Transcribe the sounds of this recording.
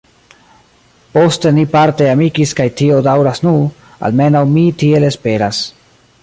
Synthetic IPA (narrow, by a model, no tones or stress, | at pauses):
po̞ste̞nipaɾte̞amikiskajtio̞dawɾasnu | a̰lme̞nawmitielespe̞ɾas